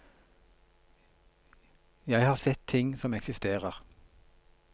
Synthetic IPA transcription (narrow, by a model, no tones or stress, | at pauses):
jæɪhɑːʁsɛt̪ʰːɪŋsɔmɛksɪst̪eːʁəʁ